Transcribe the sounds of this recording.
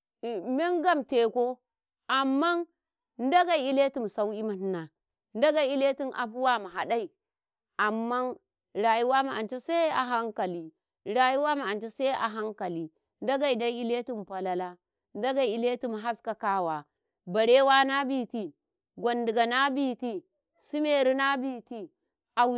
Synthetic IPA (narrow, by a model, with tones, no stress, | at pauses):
me˦ŋɡa˦˨mte˨ko˦ | a˨mːa˦n | n˦da˦ɡa˨i˦le˦ti˨m˨sa˦wi˦ma˨n˦na˨ | nda˦ɡa˦˨˦i˦le˦ti˦nʔa̰˨ɸu˦wa˦ma˨ɦa˨da˦i˨ | ʔa˨mːa˦n | ɾa˨ju˦wa˦ma˨a˨nt͡ʃe˦sa˦a̰˨ɦa˦ŋka˨li˨ | ɾa˨ju˦wa˦ma˨a˨nt͡ʃe˦sa˦ʔa̰˨ɦa˦ŋka˨li˨ | n˦da˦ɡa˨i˨da˦i˦le˦ti˨m˨pa˨la˦la˦ | n˦da˦ɡa˨i˨le˦tu˦m˨ɦa˦ska˨ka˦wa˨ | ba˨ɾe˦wa˦na˦bi˦˨ti˨ | ɡʷa˨ndi˨ɡa˨na˦bi˦ti˦ | su˦me˦˨ɾi˦na˦bi˦ti˦ | a˨w